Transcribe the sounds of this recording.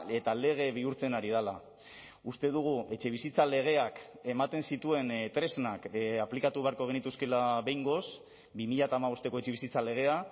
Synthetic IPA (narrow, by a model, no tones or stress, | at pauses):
e̞t̪ale̞ɣ̞e̞βiuɾt͡se̞naɾiðala | ust̪e̞ðuɣ̞ue̞t͡ʃe̞β̞isit͡sale̞ɣ̞e̞ak | e̞mat̪e̞nsit̪ue̞nt̪ɾe̞znakaplikat̪uβe̞aɾkoeɣ̞enit̪uske̞laβe̞jŋɡo̞s | bimiʎat̪aːmaβ̞o̞st̪e̞ko̞et͡ʃe̞βisit͡sale̞ɣ̞e̞a